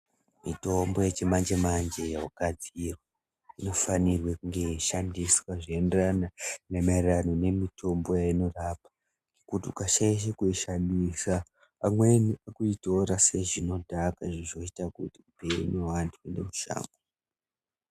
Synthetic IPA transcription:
mḭto̞mbo̞jet͡ʃemand͡ʒe̞mand͡ʒe̞jaɦakad͡zirwo | ino̞fanirwekuŋɡe̞ʃandiswaʐienderananemairrano̞ne̞mito̞mbo̞jaino̞rapḁ | ŋekutiukaʃaiʃ̬ekuiʃandisaː | mwe̞niakuito̞ɾase̞ʐino̞dʱakaʐiʐo̞itakutiupenewantʰuendemuʃa̰ːmɡo

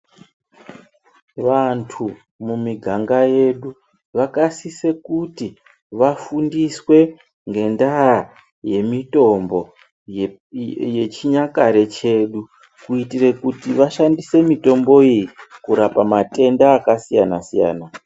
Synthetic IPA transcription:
ʋantʰu | mumiɡʱaŋɡaje̞ɗu | ʋakasise̞kuti | ʋafundiswe̞ | ŋɡe̞ndaa | je̞mito̞mbo̞ | je̞t͡ʃiɲakaɾe̞t͡ʃe̞ɗu | kuitire̞kutiʋaʃandise̞mito̞mbo̞ijikuɾapamate̞ndaːkasijanasija̰ːna

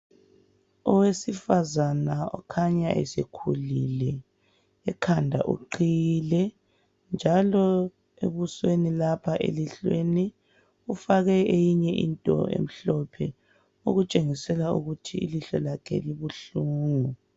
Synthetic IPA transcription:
ɔwesifazanaɔ̰kʰaɲaʔɛ̰sekʰulilɛ | ɛkʰandʱa̰ʔṵǃilɛ | nd͡ʒʱalɔ | ḛβuswenilapʰaʔḛliɬweni | ufaɣɛejiɲɛʔḭntʼɔ̰ḛm̩ɬɔpʰɛ | uɣut͡ʃʼeŋisɛlaṵɣutʰḭːliɬɔlakʰɛ̰liβuɬuːŋu

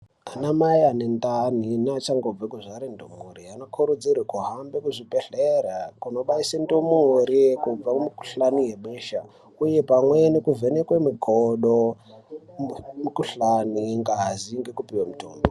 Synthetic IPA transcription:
anamajanendaninat͡ʃaŋɡob͡vekuʐaɾendomuɾiano̞kʰuɾud͡zirwekuɦambekuʐipeɬeɾakuno̞ɓaisendomuɾikub͡vakumiku̥ɬanijemiːʃa | uje̞pamwenikuvenekwemiɡʱoɗo | mikuɬaniŋɡaɦaziŋɡekupiwamuto̰ːmbo

